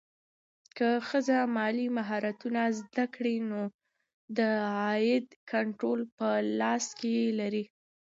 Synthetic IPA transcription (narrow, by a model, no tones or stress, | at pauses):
kəxəzamɑlimaɦɑɾat̪unazd̪akɽino | d̪əɑjɪd̪kaɳʈɾolpəlɑskejelaɾi